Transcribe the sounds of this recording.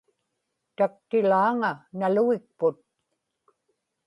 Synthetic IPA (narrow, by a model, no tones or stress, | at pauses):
t̪ak̚t̪ɪlaːŋanaluɣɪk̚pʊt̪̚